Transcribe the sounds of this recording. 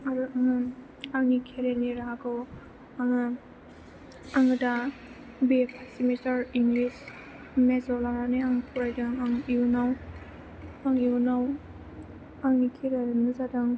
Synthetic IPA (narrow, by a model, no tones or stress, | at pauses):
aɾɯʔaŋɯ | aŋnikʰeɾeniɾaɡɔw | aŋɯ | aŋɯda | bepʰasimitaɾiŋɡlis | mezɔlaɾaneaŋpʰuɾajdɯŋaŋiunaw | aŋiunaw | aŋnikʰeɾeɾnɯzadaŋ